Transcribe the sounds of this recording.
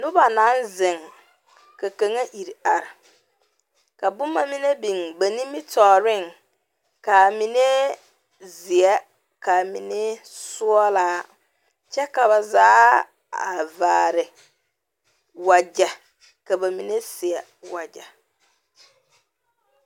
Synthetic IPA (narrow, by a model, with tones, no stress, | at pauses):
nʊ˦ba˨na˨˦nzɪ˨ŋ | ka˨ka˨ŋa˦ʔi˨ɾi˨a˨ɾɪ˨ | ka˨bʊ˦mːa˦mi˦ne˦bi˨ŋba˨nĩ˦mi˦tɔː˨ɾɪ˦˨ŋ | ka˨mi˨ne˦ | zɪ˨ɛ˦ | ka˨mḭ˨ne˦sʊ˦ɔ˦laː˦ | t͡ʃɛ˦ka˨βa˨zaː˦ | a̰˨vaː˨ɾɪ˨ | wa˨d͡ʒɛ˨ | ka˨ba˨mi˨ne˦sɪ˨ɛ˨ | wa˨d͡ʒa̰˨